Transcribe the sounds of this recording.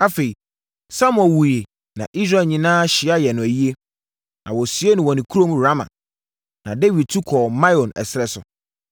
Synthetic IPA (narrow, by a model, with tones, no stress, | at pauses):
a˦fe˨i˨ | sa˦m̃˦ɛ̃˨wu˨je˨ | nã̰˨ʔi˦s̬ɾa˨lɲĩ˦nãː˦ɕɪ˨a˦jɛ˨nʊ̃˨æ˨ji˦e˦ | nã˨wɔ˨si˨˦e˦nʊ̃˨wɔ˨nɪ̃˨kʰu˦ɾõ˦m˦ɾa˦mã̰˨ | nã˨de˦wi˨d̚tʰu˦kʰɔː˨mã˦ɔ̃˨nɛ̰˨sɪ˦ɾɛ˦sʊ̰˨